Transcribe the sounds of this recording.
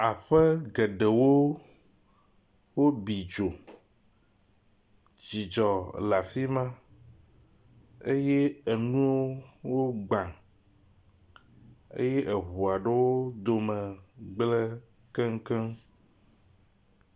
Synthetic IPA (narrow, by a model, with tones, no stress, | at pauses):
a˨ɸɛ˦ɡɛ˨ɖɛ˨wo˦ | wo˦bi˨d͡ʒo˨ | d͡ʑi˨d͡ʒɔ˨la˨fi˦mã˦ | e˦jɛ˦e˨nũ˦wo˦wo˦ɡ͡bã˨ŋ | ḛ˦jɛ˦ʔɛ˨ɦu˨a˨ɖe˦wo˦d̪o˨mɛ̃˨ɡ͡blɛ˦ | kɛ˦ŋ˦kɛ˦